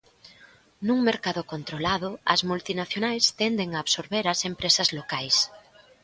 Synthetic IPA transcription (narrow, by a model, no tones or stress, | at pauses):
nuŋmeɾkaðokont̪ɾolaðʊɐzmult̪inaθjonajst̪ɛnd̪eŋaːβsoɾβeɾɐsempɾesɐzlokajs